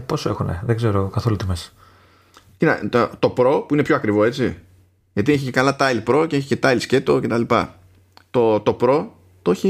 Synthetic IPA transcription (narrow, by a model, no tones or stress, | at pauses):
po̞soe̞xunḛðeɡze̞ɾokɐθolut̪imesɐ̥ | cinɐ̰t̪ot̪o̞pɾo̞puinepço̞ɐkɾivo̞e̞t͡si | ʝɐt̪ieçicekɐlɐt̪ɐlipɾo̞ce̞eçi̥ce̞t̪ɐlisce̞t̪o̞ce̞t̪ɐlipɐ̰ | t̪o̞t̪o̞pɾo̞ | t̪oçi